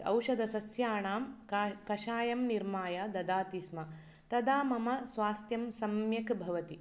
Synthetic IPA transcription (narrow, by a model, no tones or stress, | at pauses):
ɐ̰wʂɐd̪ɐsɐsjaːɳaːmkkɐʃaːjɐmniɾmaːjɐd̪ɐd̪aːt̪ismɐ | t̪ɐd̪aːmɐmɐsʋaːst̪jɐmsɐmjɐkbʱɐʋɐt̪i